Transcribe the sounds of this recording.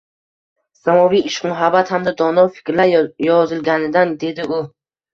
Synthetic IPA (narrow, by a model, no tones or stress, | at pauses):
samɔviiʃqmuɦabat̪hamd̪ad̪ɔnɔfi̥kɾlajɔzilɡanid̪and̪id̪iu